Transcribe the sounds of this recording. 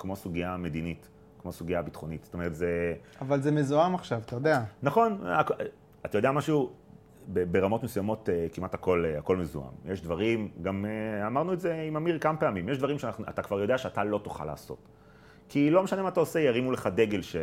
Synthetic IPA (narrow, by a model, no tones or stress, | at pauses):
kmo̞suɡiame̞d̪init | kmo̞suɡijabitχo̞nitz̥t̪ome̞ʁetzeavalzemezuamaχʃavat̪ajod̪eanaχo̞nak | at̪ajd̪eamaʃu | bebe̞ʁamo̞tmesujamo̞tekimathako̞lako̞lmezṵa̰mjeʃd̪vaʁimɡameamaʁnuetze̞imamiʁkamapeamimjeʃ̬d̪vaʁimʃeanaχnuʔa̰t̪akvaʁjo̞d̪eaʃeatalotu̥χa̰la̰ːso̞̰t | kilo̞meʃanemat̪aose̞jaʁimuleχade̞ɡe̞lʃe